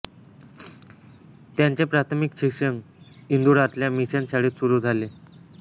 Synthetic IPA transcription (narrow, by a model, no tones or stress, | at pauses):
t̪jaɲt͡ɕepɾat̪ʰmikɕikʂəŋ | ind̪uɽat̪ljamiɕansaɽ̤iːt̪suɾuːd͡zʱale